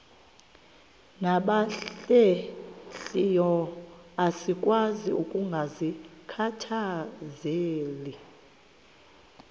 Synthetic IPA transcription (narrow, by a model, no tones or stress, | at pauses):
naɓaɬɛɬijɔ | asikʼwaziukʼuŋɡʱazikʰatʰazeːli